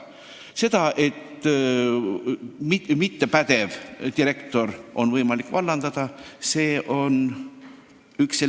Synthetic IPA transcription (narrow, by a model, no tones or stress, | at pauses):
se̞d̪̥ɑʔe̞t̪ːˑ | mimit̪ːe̞pæd̪̥e̞vt̪iɾe̞kt̪o̞rʔo̞nvɤjmɑlikːˑvɑlːɑnd̪̥ɑd̪̥ɑse̞ːʔo̞n | ykse